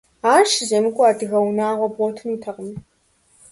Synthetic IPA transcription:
aːrʃɪʑɐnɨkʷʼʊaːdɨɣɐwnaːʁʷɔbɔtʰɨnuːtʰɐqəm

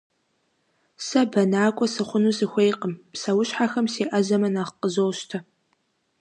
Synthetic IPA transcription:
sɐbɐnaːkʷʼɔsɨχʷʊnusɨxʷejqʼəmsɐwʊɕħaxɐmseːʔɐzɐmɐnaːχqəzowʃtʰɐ

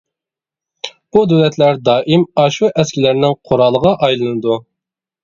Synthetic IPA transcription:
bud̪ølɛt̪ʰlæɾd̪ɑːʔimɑʃuʔɛskʲɪlæɾnɪŋqʰoɾɑlˠːəʁɑʔɑjlˠɨnɨd̪u

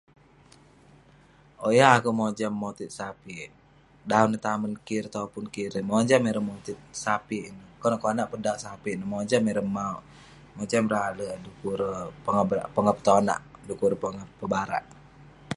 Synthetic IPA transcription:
ʔojaːkuʔmod͡ʒamːot̪it̪̚sapi | daunət̪amənkiɾt̪aupʊnkiɾəmɔd͡ʒamiɾəmot̪it̪̚sapiinəkɔnaʔkɔnaʔpədausapinəmɔd͡ʒamiɾəmauʔ | mod͡ʒamɾalədukuɾəpəŋapəŋəpə̥t̪ɔna̰ʔdukuɾəpəŋəpəbaɾa̰ʔ

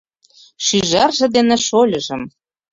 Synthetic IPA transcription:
ʃyʒɑrʒĕd̪enĕʃolʲɤ̆ʒɤ̆m

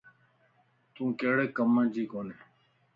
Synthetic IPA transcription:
t̪ũːkeːɽekəmə̃ːd͡ʑiːkoːne

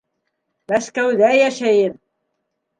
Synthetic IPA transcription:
mæskæwðæjæʃæjən

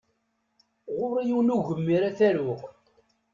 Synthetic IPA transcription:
ʁʊɾijiwnuʝəmːiɾæθæɾʊʁ

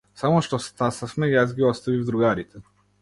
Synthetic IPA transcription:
samɔʃt̪ɔst̪asafmɛjazɡiɔst̪avivd̪ɾuɡaɾit̪ʰɛ

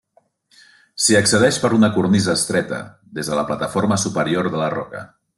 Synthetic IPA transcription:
siəksəð̞ɛʃpəɾunəkuɾnizəːst̪ɾɛt̪ə̰ | ðezðələplat̪əfoɾməsupəɾioɾðələrɔ̰kə̰

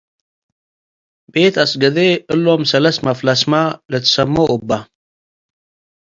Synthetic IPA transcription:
bet̪asɡəd̪eɨlːomsɐlɐst̪maflasmalət̪ʰə̥sɐmːoubːa

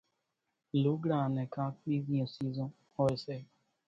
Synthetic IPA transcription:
luɡɾãnɛ̃kãkizĩãsizɔ̃ | hɔɛsɛ

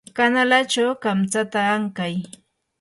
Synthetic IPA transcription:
kanalat͡ʃawkamt͡sat̪aːŋkaj

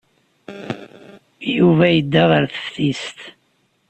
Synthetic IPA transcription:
juvæjəd̪ːæʁəɾθə̥fθist̪

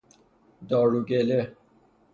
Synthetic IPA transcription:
d̪ɔːɽuɡele

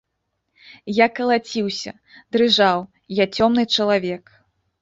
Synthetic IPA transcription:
jakɐlˠat͡sʲiwsʲɐ̰ | d̪ɾɨʐaw | jat͡sʲɔmnɨt͡ʂɐlˠavʲɛk

